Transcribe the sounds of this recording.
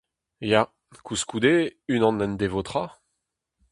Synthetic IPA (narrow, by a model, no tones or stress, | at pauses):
ja | kʰuskud̪eynɑ̃nɛ̃nd̪evot̪χa